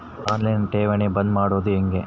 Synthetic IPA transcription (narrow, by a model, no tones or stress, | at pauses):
aːnlɐjnʈeːʋɐnebɐnd̪maːɽoːd̪uɦeŋɡe